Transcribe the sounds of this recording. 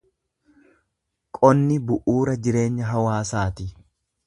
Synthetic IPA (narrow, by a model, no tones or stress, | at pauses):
kʼɔnːɪbʊʔuːɾɐd͡ʒɪɾe̞ːɲːɐɦɐwaːsaːt̪ɪ